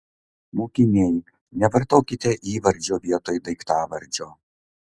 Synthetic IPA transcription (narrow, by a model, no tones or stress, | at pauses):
moːkʲɪnʲeːj | nʲɛʋɐɾt̪oːkʲɪt̪ʲeʔiːʋɐɾʲd͡ʒʲoːʋʲiɛt̪oːjd̪ɐɪkt̪ɑːʋɐɾʲd͡ʒʲoː